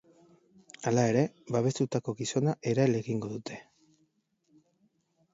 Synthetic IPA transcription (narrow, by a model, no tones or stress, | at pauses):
alae̞ɾe̞baβ̞e̞st̪ut̪ako̞ɣiso̞naʔe̞ɾaele̞ɣiŋɡo̞ðut̪ʰe̞